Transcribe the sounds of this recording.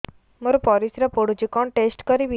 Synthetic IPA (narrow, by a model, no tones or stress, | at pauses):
məɾpɔɾisɾapoɽud͡ʑikɔɳʈesʈkəɾiʋi